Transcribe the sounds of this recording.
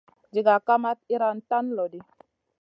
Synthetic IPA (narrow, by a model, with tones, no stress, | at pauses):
d͡ʒi˨ɡa˨ka˦ma˦t̪̚i˦ɾa˦n˦ta˦n˦lɔ˨di˨